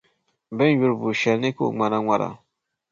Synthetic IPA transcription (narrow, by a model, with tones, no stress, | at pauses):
bɛ˦n˨wu˦ɾbu˨ʃɛ˨lni˦ko̰˦˨ŋ͡ma˨na˦ŋʷa˦ɾa̰˨